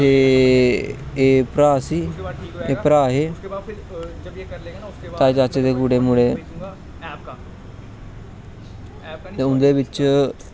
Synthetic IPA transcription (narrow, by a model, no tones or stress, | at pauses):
eː | eːpɾaːsiːeːpɾaːɦeː | t̪aːt͡ʃaːt͡ʃed̪eːkuːɖeːmʊɽeː | t̪eːʊnd̪eːbɪt͡ʃ